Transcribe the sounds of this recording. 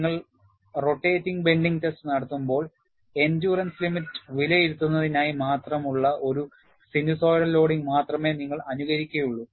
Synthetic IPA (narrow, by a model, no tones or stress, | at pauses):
ŋːɐɭ | ro̞ʈːeːtːiŋɡbe̞ɳɖiŋɡtestnɐɽɐt̪ːumbo̞ːɭ | e̞ndjuːrɐnslimitːɨ̥ʋilɐjiɾut̪ːunːɐðinaːjimaːt̪rɐmuɭːɐʔo̞ɾu | siniso̞ːɾɐllo̞ːɽiŋmaːt̪rɐme̞ːniŋːɐɭɐnuɣɐɾikʲːɐjuɭːu